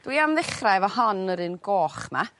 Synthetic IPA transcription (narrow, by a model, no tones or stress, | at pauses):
d̥wiamðɪχrajvɔhanəɾɨːnɡoːχma